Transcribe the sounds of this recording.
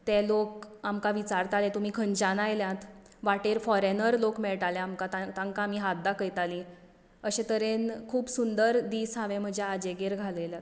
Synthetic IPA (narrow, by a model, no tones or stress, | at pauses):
t̪ɛlokamkaʋit͡ɕaɾt̪alẽt̪um̤iːkʰəɲt͡ɕanajljãt̪ | ʋaʈeɾfɔɾenəɾlokmɛɭʈaljaamkat̪at̪ãŋkaamiːɦat̪̚d̪akəjt̪ali | əɕet̪əɾenkʰuːbsund̪əɾd̪iːsɦaʋẽm̤əd͡ʑʱaad͡ʑeɡeɾɡʱaleljat̪